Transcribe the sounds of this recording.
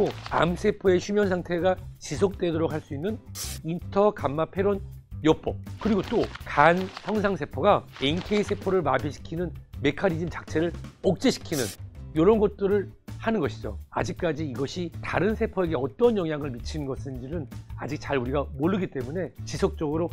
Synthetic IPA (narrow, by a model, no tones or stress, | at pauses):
oa̰msʰe̞pʰʌe̞ɕʰumjʌnsʰaŋtʰe̞ɡat͡ɕis̬ʰok̚t͈e̞doɾok̚haɭs͈uinːɯnintʰʌkamːapʰe̞ɾonjʌp͈ʌkɯɾiɡot͈okansʰʌŋsʰaŋsʰe̞pʰoɡaenkʰe̞isʰe̞pʰʌɾɯɭmabiɕʰi̥kʰinɯnme̞kʰaɾid͡ʑimt͡ɕak̚t͡ɕʰe̞ɾɯɭok̚t͡ɕ͈eɕʰi̥kʰinɯnjʌɾʌnɡʌt̚t͈ɯɾɯɭhanɯnɡʌɕʰid͡ʑo̰a̰d͡ʑik̚k͈ad͡ʑiːɡʌɕʰitaɾɯnsʰepʰʌe̞ɡe̞ʌt͈ʌnjʌŋɦjaŋɯɭmit͡ɕʰinnɡʌsʰɯnd͡ʑinɯnad͡ʑik̚t͡ɕaɾuɾiɡamoɭːɯɡit͈e̞mune̞t͡ɕisʰok̚t͡ɕ͈ʌɡɯɾo